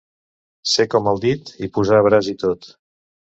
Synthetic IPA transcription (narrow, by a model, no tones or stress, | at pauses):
sekɔmalˠd̪it̪ipuzaːβ̞ɾazit̪ot̪